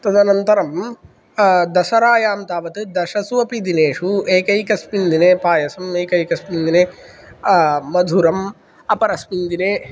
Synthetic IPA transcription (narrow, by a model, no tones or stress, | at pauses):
t̪ɐd̪ɐnɐnt̪ɐɾɐm | d̪ɐsɐɾaːjaːmt̪aːʋɐt̪ɨd̪ɐʃɐsuɐpid̪ineːʂueːkɐjkɐspind̪ineːpaːjɐsɐmeːkɐjkɐspind̪ineː | ɐd̪ʱuɾɐm | ɐpɐɾɐspind̪ineː